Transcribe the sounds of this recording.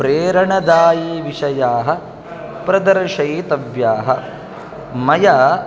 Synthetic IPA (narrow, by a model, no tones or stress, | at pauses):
pɾeːɾɐɳɐd̪aːjiʋiʂɐjaːɦɐ̆ | pɾɐd̪ɐɾʂɐjt̪ɐʋjaːɦɐ | mɐjaː